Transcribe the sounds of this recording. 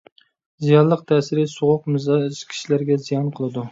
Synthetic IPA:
zijɑnlˠəq̚t̪ʰɛːsɪɾɪsoʁʊqmɨzɑʃkʲʰi̥ʃilæɾɡʲɛzijɑnqʰəlˠɨd̪u

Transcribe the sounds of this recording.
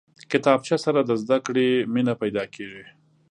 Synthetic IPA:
kɪt̪ɑb̚t͡ʃasaɾad̪əzd̪akɽeminapajd̪ɑkʰeʒi

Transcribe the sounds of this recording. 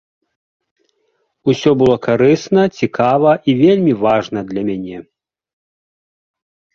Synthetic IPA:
usʲɔbɨlˠɔkaɾɨsnɐt͡sʲikavɐʔivʲelʲmʲivaʐnɐd̪lʲɐmʲanʲɛ

